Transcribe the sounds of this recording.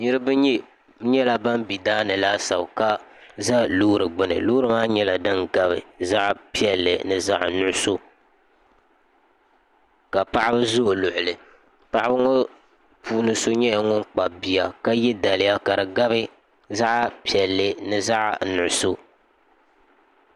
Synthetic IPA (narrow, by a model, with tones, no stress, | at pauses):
ɲi˦ɾɨ˦bɨ˦ɲɛ˦ | ɲɛ˦la˨ba˦m˦bi˨daː˦nɨ˨la˦sa˨bka˦za˦lu˦ɾɨ˨ɡ͡bɨ˦nɨ̰˨lo˦ɾɨ˨maː˦ɲɛ˦la˨dɨ˦ŋɡa˦bɨ˨za˦ʔpi˦ɛ˨lːɨ˨nɨ˨za˦ʔnʊ˦ʔʊ˦so˦ | ka˨pa˦ʔa˦bɨ˦zo˦˨lʊ˨ʔʊ˨lɨ˨ | pa˨ʔa˦bɨ˦ŋo˦ | pʰuː˦nɨ˦so˦ɲɛ˦ja˨ŋʊ˦nk͡pa˨bi˨ja˨ka˦jɛ˦da˨lɨ˦ja˦ka˨ɾɨ˨ɡa˦bɨ˦ | za˦ʔpi˨ɛ˨lːɨ˨nɨ˦za˦ʔnʊ˨ʔʊ˨so˦